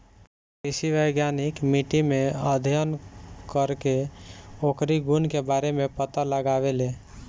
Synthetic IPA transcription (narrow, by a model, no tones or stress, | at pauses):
kɾisiʋəjɡjanikmiʈimeəd̪ʱjənkəɾkeokɾiɡunkebaɾemepət̪aləɡabele